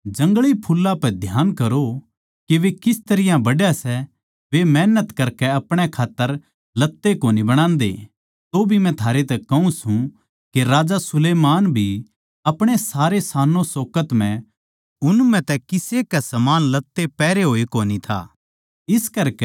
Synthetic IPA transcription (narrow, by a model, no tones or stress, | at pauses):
d͡ʒɐ̃ŋɡɭipʰulːapɛd̪ʱjaːnkɐɾo | keʋekɪst̪ɐɾɪjãbɐɽjasɛ | ʋemɛːnət̪kɐɾkɛɐpɽ̃ekʰaːt̪ːəɾ | lɐt̪ːekoːnibɐɽ̃ãːnd̪ḛː | t̪obʱimɛ̃t̪ʰaːɾet̪ɛkɐũsũ | keɾaːd͡ʒasʊleːmaːnbʱi | ɐpɽ̃esaːɾesaːnõsoːkət̪mɛ̃ | ʊnmɛ̃t̪ɛkɪsekɛsɐmaːnlɐt̪ːepɛːɾeɦoːikoːnit̪ʰa̰ː | ɪskɐɾkɛ